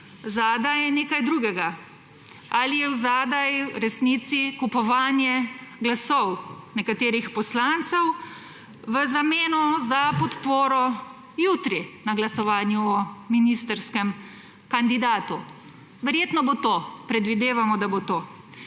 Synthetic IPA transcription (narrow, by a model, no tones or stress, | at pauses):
zaːd̪ajɛneːkajd̪ɾuːɡɛɡa | alijɛwzaːd̪ajɾɛsnit̪sikupɔʋaːnjɛɡlasɔwnɛkat̪eːɾixpɔslant̪sɛw | ʋəzameːnɔzapɔt̪poːɾɔ | jut̪ɾinaɡlasɔʋaːnjuɔminist̪əɾskɛm | kand̪id̪aːt̪u | ʋɛɾjeːt̪nɔbot̪oːpɾɛd̪ʋid̪eːʋamɔd̪abot̪oː